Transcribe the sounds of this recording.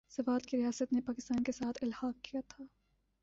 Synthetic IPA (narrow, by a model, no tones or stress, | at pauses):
sɐfaːt̪kiɾijaːsət̪nepaːkɪst̪aːnkesaːt̪ʰɪlhaːq̚kijat̪ʰaː